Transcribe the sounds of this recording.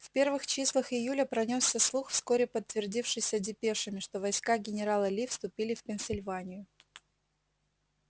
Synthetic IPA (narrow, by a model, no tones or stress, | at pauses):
fpʲe̞rvɨxt͡ɕislˠəxɪjulʲəpɾɐnʲosʲːəslˠuxfskoɾʲɪpət̪ːvʲɪrdʲifʂɨsʲədʲɪpʲeʂɨmʲɪʂt̪o̞vɐjskaɡʲɪnʲɪɾalˠəlʲifst̪ʊpʲilʲɪfpʲɪnʲsʲɪlʲvanʲɪjʊ